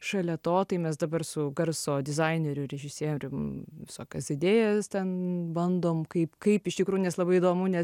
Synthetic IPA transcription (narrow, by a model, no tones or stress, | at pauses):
ʃɐlʲɛt̪oːt̪ɐɪmʲɛs̬d̪ɐbɐrsʊɡɐrsoːd̪ʲɪzɐɪnʲeɾʲʊɾʲɛʒʲɪsʲeɛːjmɾʲɪʋʲɪsoːkʲɛsɪd̪ʲeːjɛst̪ʲɛnbɐnd̪oːmkɐɪpkɐɪpɪʃt̪ʲɪkɾuːjuʊnʲɛslˠɐbɐɪiːd̪oːmʊnʲɛ